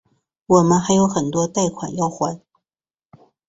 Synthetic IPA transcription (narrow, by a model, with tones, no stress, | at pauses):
wɔ˨˩mə˦nxa˧˥ɪjo˧˥ʊxə˨˩nt̪wɔ˥t̪a˥˩ɪkʰwa̰˨˩njɑ˥˩ʊxwa˧˥˦n